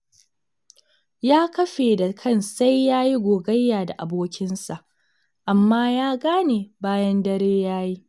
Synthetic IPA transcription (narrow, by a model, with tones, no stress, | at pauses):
jaː˦kɐ˦ɸeː˨da˨kʰɐ˦˨nsa˦jːaː˦ji˦ɡʷoː˨ɡɐ˦jːaː˨da˨ʔa˨boː˦kʲɪ˦nsa˨ʔ | ʔa˨mːaː˦jaː˦ɡaː˦neː˨baː˦jɐ˦ndɐ˦ɾeː˦jaː˦ji˦